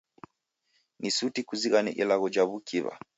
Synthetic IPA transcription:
nʔisutikuziɣanɛ̰ʔilaɣɔd͡ʒaβukʰiβa̰

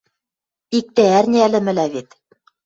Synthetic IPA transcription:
ik̚t̪ææɾniælɘ̆mɘ̆læβit̪

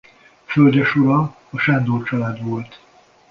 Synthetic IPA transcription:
følɟɛʃuɾɒ | ɒʃɛnd̪oːt͡ʃɒlaːd̪ʋo̞lt̪

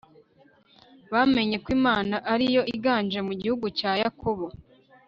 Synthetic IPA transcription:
βame̞ɲe̞kwiːmaːnaʔaɾijo̞ʔiɡaːnd͡ʒe̞muɟihuɡucaːjakʰo̞βo

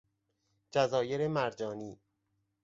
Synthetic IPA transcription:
d͡ʒæzɒːjeɾemæɾd͡ʒɒːniː

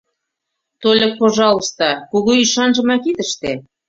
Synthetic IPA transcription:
t̪olʲek̚poʒɑlˠŏst̪ɑkuɣuiʃɑnʒə̆mɑkit̪ə̆ʃt̪e

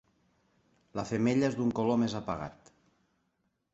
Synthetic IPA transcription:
lafemeʎaezd̪uŋkolomezapaɣa̰t̪

